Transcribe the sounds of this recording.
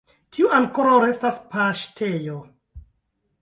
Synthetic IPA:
tʰiuʔaŋkoɾawɾe̞staspaʃtʰejo

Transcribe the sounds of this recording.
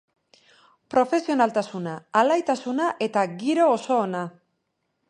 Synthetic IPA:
pɾo̞fe̞sio̞nalt̪asunaːlajt̪asunaʔe̞t̪aɡiɾo̞ːso̞ːna

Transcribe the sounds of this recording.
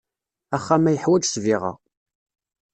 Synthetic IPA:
æχːæmæjəħwæd͡ʒsviʁɑ̰

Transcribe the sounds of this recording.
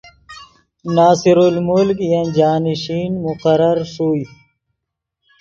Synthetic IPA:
naːsiɾulmulkjɐnd͡ʑaːniɕiːnmʊqɐɾɐɾʂuːi

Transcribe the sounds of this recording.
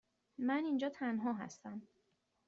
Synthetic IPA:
mænind͡ʒɒːt̪ʰænɦɒːɦæ̰st̪æm

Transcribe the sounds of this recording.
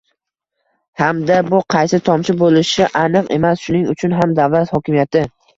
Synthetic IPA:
hamd̪abʊqʰɑjsɪt̪ʰɒmt͡ʃɪbolɪʃɪʔanɨqe̞̰masʃʊnɪŋʊt͡ʃʰʊnɦamd̪avlat̪hɒkʲɪmijat̪ʰɪ

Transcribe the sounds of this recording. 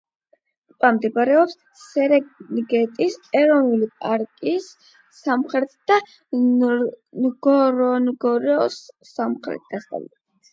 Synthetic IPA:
pʼamd̪ɛbɾɛɔps | sɛɾɛɡɛt̪ʼisɛɾɔnulipʼaɾkʼisː | amχɾɛt̪ʰd̪̥a | ɡɔɾɔnɡɔɾɛɔs | amχɾɛ̰t̪̚ʰɡast̪ʼa̰l

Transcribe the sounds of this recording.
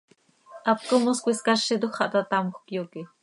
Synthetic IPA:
ap̚komoskʷiskaʃid̪uxχaʔt̪at̪amoχkjoki

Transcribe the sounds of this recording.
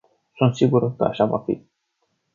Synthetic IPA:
sunt̪siɡuɾkə̰a̰ʃava̰fḭ

